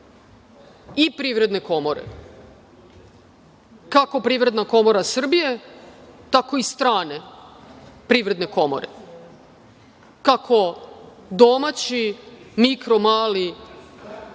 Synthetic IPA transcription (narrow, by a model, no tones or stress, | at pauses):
ipɾiʋɾe̞d̪ne̞ko̞mo̞ɾḛ | kako̞pɾiːʋɾe̞d̪nako̞mo̞ɾasr̩bije̞ | t̪ako̞ist̪ɾaːne̞ | pɾiːʋɾe̞d̪ne̞ko̞mo̰ɾḛ | kakʰo̞ | d̪omat͡ɕimikɾo̞maːli